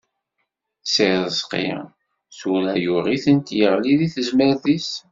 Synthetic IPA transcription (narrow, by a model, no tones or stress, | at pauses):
siðəsqɪ̰ʁ | sulæjuʁiθənt̪jəʁliðiθəzməɾðis